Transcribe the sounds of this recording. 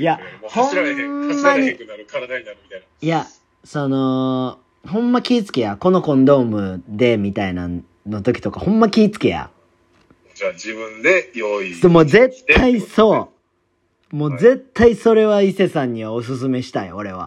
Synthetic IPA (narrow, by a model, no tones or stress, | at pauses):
jahõ̞mːaɲ̟i | aa | ja | sono̞ | hõ̞mːakʲiːt͡sɨ̥ke̞jako̞no̞kõ̞nd̪o̞ːmɯ̟d̪e̞mʲit̪aina̰ | no̞t̪o̞kʲi̥t̪o̞kahõ̞mːakʲiːt͡sɨ̥ke̞ja̰ | aibɯ̟̃nd̪ejoid̪emoːze̞t̪ʰːaiso̞ː | mo̞ːze̞t̪ʰːaiso̞ɾe̞βaise̞sãɲ̟ːiβaos̬ɨs̬ɨme̞ɕi̥t̪aio̞ɾe̞βa̰